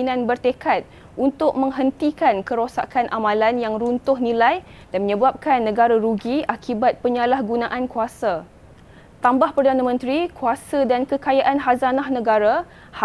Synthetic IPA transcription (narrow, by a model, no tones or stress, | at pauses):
nãnbərt̪ekat̪̚ | ʔunt̪ʊk̚mə̃ŋɦənt̪ikankəɾosa̰kanʔamãlanjaŋɾunt̪ʊhnĩlaj | danmə̃ɲə̃bap̚kanːə̃ɡaɾaɾuɡiakʰibat̪̚pəɲalahɡunãʔankuasa | t̪ambahpərdanãmə̃nt̪ɾikuasadankəkajaʔanɦazanahnə̃ɡaɾa | h